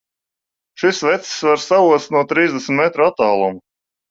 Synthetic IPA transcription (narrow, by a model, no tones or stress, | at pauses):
ʃisvɛt̪ssvaɾsavuɔst̪nuɔt̪ɾiːzd̪esʲm̩ʲit̪met̪ɾuat̪ːaːlˠɔmu